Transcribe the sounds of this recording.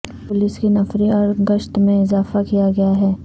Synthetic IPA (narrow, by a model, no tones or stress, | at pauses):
pʊlɪskinɐfɾiɔːɾɡɐʃt̪mẽɪzaːfakijaɡɐjaɦɛː